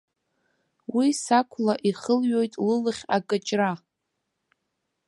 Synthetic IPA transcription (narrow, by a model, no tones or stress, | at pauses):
wisakʷʰlaʔiχəlɥo̞jtʼlɨlɨχʲakʼɨt͡ʃʼra